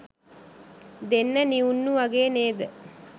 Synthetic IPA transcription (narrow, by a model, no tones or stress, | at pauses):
d̪enːəniunːuʋɐɡeːneːd̪ə